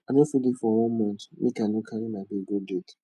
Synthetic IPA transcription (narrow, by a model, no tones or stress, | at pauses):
anofidifɔw̃ɔ̃mɔ̃n̩tʊ̥nḭ̃kanʊ̃kʰaɾinabeɡodedi̥